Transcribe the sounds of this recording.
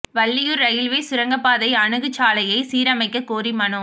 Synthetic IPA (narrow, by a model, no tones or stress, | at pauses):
ʋɐɭːɪjɯɾɐjɪlʋeːsʊɾɐŋɡɐpːaːðɐɪɐɳɯɣɯt͡ʃːaːlɐjɐɪsiːɾɐmɐɪkːɐkoːɾimɐɳɯ